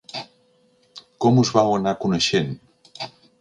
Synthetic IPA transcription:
kɔmuzβawənakunəʃen

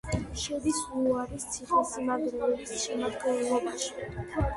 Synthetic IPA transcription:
ʃɛd̪isuaɾist̪sʰiχisimad̪luɾɛsʃɛmad̪ɡɛnlˠɔbaʃi̥

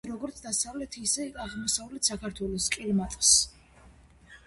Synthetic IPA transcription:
ɾɔɡɔɾt̪sʰd̪asavlɛt̪ʰisɛaʁlmɔsavlɛt̪ʰsakʰaɾt̪ʰwɛlɔskʼiɾmat̪ʼs

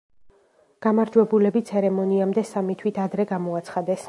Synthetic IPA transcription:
ɡ̥amaɾd͡ʒwɛbulɛbit̪sʰɛɾɛmɔniamd̪ɛsamit̪ʰwit̪ʰad̪ɾɛɡamɔat̪sʰχad̪ɛs

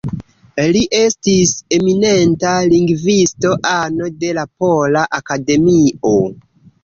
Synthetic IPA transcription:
liʔe̞stise̞mine̞ntaliŋɡvisto̞ʔano̞de̞lapolaʔakade̞mio

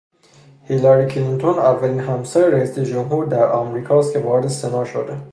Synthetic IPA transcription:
hilɑɾiːcʰlint̪ʰonævːæliːnɦæmsæɾeɾæiːsed͡ʒomɦuːɾd̪æɾæmɾiːkʰɒːst̪kʲʰe̞vɒːɾe̞d̪ese̞nɒːʃo̰d̪e

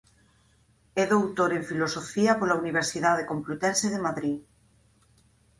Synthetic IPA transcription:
ɛðowt̪oɾeɱfilosofiɐpolauniβ̞eɾsiðað̞ekomplut̪ɛnseðemaðɾi

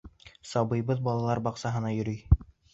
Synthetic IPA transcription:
sɑβɤ̆jbɤðbɑlˠɑlˠɑɾbɑqsɑɦɤ̆nɑjɵ̆ɾyj

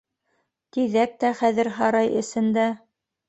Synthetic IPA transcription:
t̪iðæk̚t̪æχæðɘ̆ɾɦɑɾɑjɘ̆sɘ̆nd̪æ

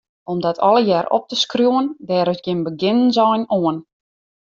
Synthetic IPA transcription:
ɔmdɔtʰɔ̰lˠəjɛːɾɔ̰p̚təskrjuwəndɛːɾəsɡjɪnbəɡɪnənzɔjnoən

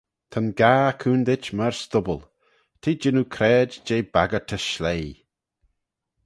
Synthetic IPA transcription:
t̪ʰənɡaːkʰuːnd̪ɪt͡ʃmaɹst̪ʊbəl | t̪ʰiːd͡ʒɪnukʰɾɛːd͡ʒd͡ʒeːbaɡət̪ʰəʃlej

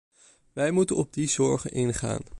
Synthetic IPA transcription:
ʋɛjmutənɔb̚dizɔɹχənʔɪnχa̰ːn

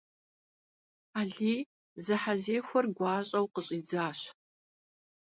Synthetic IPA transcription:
aːɮiː | zɨħazeːxʷɔrɡʷɑːɕʼɐwqəɕʼiːd͡zaːɕ

